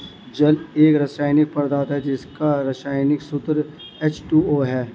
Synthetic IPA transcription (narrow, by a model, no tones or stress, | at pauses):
d͡ʒɐleːkɾɐsaːɪnɪk̚pɐɾd̪aːt̪ɦɛd͡ʒɪskaɾɐʃaːɪnɪksʊt̪ɾ | et͡ʃʈuːoːɦɛː